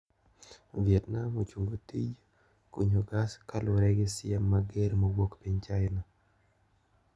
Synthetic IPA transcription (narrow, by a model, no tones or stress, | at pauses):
viɛt̪namot͡ʃuŋɡotid͡ʒ | kuɲoɡaskaloɾɛɡesɪɛmːaɡeɾmowokpiɲt͡ʃajnɔ